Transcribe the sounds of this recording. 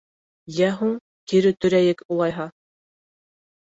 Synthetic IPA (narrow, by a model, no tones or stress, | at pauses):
jæɦuɴ | k̪iɾɘt̪ɵ̆ɾæjɘkulˠɑjɦɑ